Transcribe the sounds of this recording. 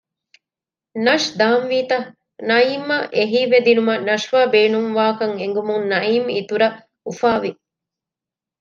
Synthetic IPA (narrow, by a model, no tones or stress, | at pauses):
nɐʂd̪aːmʋiːt̪ɐ | nɐiːmːɐʔeɦiːʋed̪inumɐnɐʂʋaːbeːnuŋʋaːkɐŋeŋɡumuŋnɐiːmit̪uɾɐ | ufaːʋi